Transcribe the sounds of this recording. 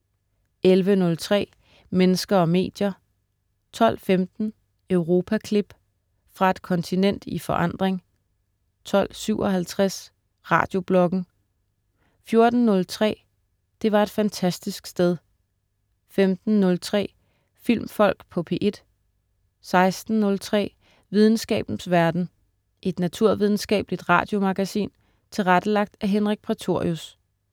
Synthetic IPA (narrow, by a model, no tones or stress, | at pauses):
ʔelʋənɔ̽lt͡sʰʁɛ̰ː | menəsɡ̥ɐɒ̽me̝̰ːd̥jɐ | t͡sʰɒ̽l̰femd̥n̩ | œʊʁo̝ːpʰækʰlib̥ | fʁɑ̈e̝d̥kʰɒ̽nt͡sʰinen̰d̥ifɒ̽ʔɑ̈n̰d̥ʁeŋ | t͡sʰɒ̽l̰syʊʔɒ̽hælt͡sʰʁas | ʁɑ̰̈ːd̥jo̝b̥lɒ̽ɡ̥n̩ | fjo̝ɐd̥n̩nɔ̽lt͡sʰʁɛ̰ː | d̥e̝ʋɑ̈e̝d̥fænt͡sʰæsd̥isɡ̥sd̥eð̞ˠ | femd̥n̩nɔ̽lt͡sʰʁɛ̰ː | fil̰mfɒ̽l̰ɡ̥pʰɒ̽pʰe̝ːʔe̝d̥ | sɑ̈ɪsd̥n̩nɔ̽lt͡sʰʁɛ̰ː | ʋið̞ˠn̩sɡ̥ɛ̰ːb̥n̩sʋæɐd̥n̩ | ʔe̝d̥næt͡sʰuɐ̰ʋið̞ˠn̩sɡ̥ɛ̰ːb̥lid̥ʁɑ̰̈ːd̥jo̝mɑ̈ɡ̥æsḭːn | t͡sʰe̝lʁæd̥əlɑ̈ɡ̥̚d̥æɦenʁeɡ̥̚pʰʁit͡sʰo̝ɐ̰jus